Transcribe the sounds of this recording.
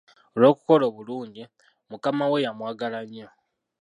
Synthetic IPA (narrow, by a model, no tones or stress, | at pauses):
olo̞ːku̥ko̞lo̞βuluːɲɟi | mukamawe̞jamwaːɡalaɲo